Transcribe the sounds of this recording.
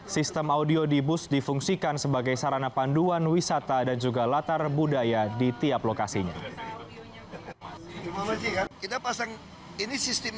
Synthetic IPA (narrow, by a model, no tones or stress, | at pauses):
sist̪əmaudiodibʊsdifuŋsikansəbaɡajsaɾanapanduanwisat̪adand͡ʒuɡalat̪arbudajadit̪iaplokasiɲa̰ | ɡikit̪apasaŋ | inisist̪ɪm